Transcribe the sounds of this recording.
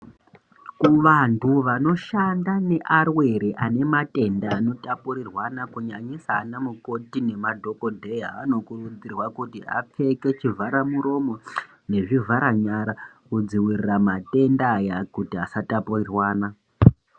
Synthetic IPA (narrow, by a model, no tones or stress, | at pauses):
kuʋantʰuʋano̞ʃandane̞ʔarwe̞ɾiʔane̞matʼe̞ndaːno̞tapuɾirwanakuɲaɲisaːnamuko̞tine̞madʱo̞ko̞dʱe̞ɦaano̞kurud͡zirwakutia̰p͡fe̞ke̞t͡ʃivʱaɾamuɾo̞mo̞ | ne̞ʐivʱaɾaɲaɾakud͡ziwiriramate̞ndajakutiasatapurirwaːna